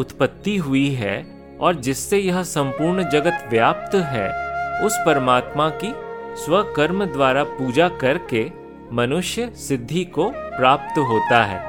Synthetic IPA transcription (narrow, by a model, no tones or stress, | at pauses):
ʊt̪pət̪ːiɦʊiɦɛ | ɔːɾd͡ʒɪsːejɐɦsɐ̃mpuːɾɳd͡ʒɐɡət̪ʋjaːp̚t̪ɦɛːʊspɐɾmaːt̪makiswɐkɐɾmd̪waːɾapuːd͡ʒakɐɾke | mɐnʊʃjəsɪd̪ʱːikopɾaːp̚t̪ɦoːt̪aɦɛ̰ː